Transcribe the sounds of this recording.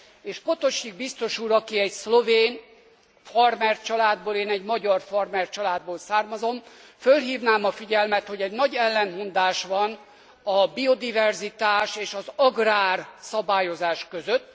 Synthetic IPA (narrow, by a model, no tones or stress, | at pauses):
eːʃpot̪o̞ʃiɡ̚bist̪o̞ʃuːɾɒkiɛɟslo̞veːn | fɒrmɛrt͡ʃɒlaːd̪boːleːnɛɟmɒɟɒrfɒrmɛrt͡ʃɒlaːd̪̚boːlsaːrmɒzo̞mfølɦiːvnaːmɒfiɟɛlmɛt̪ho̞ɟɛɟnɒɟɛlːɛnɦond̪aːʃʋɒn | ɒbio̞d̪ivɛrzit̪aːʃeːʃɒzɒɡraːrsɒbaːjo̞zaːʃkøzøt̪ː